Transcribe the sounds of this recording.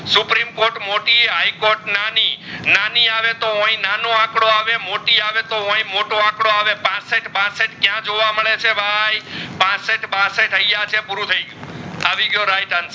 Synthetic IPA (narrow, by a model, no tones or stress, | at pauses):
supɾimkoɾʈmoʈieɦajkoɾʈnaninaniaʋet̪oõĩnanoãkɽoaʋemoʈiaʋet̪oɦõĩmoʈoãkɽoaʋepãseʈbãseʈkjãd͡ʒoʋaməɭet͡ʃʰebʱajpãseʈbãseʈɦəjjat͡ʃʰepʊɾut̪ʰəĩŋaʋiɡjoɾajʈəns